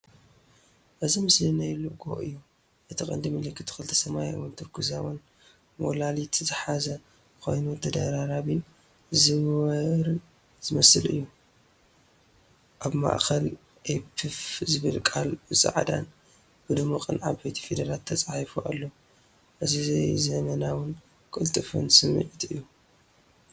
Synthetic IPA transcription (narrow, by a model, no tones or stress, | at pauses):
ʔɨzimɨslinajluɡo̰ʔɨ̰jːu | ʔɨt̪ʰikʼɐ̰nd̪imɨlɨkʰːɨt̪ʰɨ̥kɨlɨt̪ʰɐ̥sɐmaj̰wɔnt̪ʰɨɾɡuzawon | molalit̪zɨħazɐ | kʰo̞̰jnut̪ʰɐd̪ɐɾaɾaβin | zɨɾ | z̥ɨmɐsɨlɨ̰jːu | ʔaβma̰ʔxɐl | ʔepʰɨfzɨβɨlkʼalbɨsʼa̰ʕd̪a̰n | b̥ɨd̪ɨmːakʼɨnʕaβbejt̪ʰi̥fed̪ɐɾalt̪ʰːɐt͡sʼajfuʔa̰lːo | ʔɨzizejzɐmɐnawʊn | kʼɨlt̪ʼɨfɨ̰nsɨmːɨ̰ʕit̪ɨ̰jːu